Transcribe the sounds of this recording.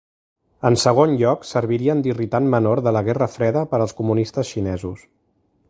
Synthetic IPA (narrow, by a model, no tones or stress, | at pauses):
ənsəɣ̞onʎɔksəɾβiɾiənd̪irit̪anmənoɾðələɣɛrəfɾɛðəpəɾəlˠskumunist̪əsʃinɛzus